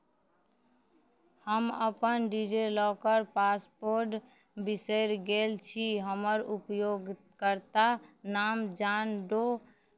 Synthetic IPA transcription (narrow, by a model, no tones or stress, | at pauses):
həmə̰pənɖid͡ʒelɔkəɾpaspoɾʈ | bisəɪɾɡelt͡ʃʰiɦəməɾupjoɡ | kəɾt̪anaːmd͡ʒanɖo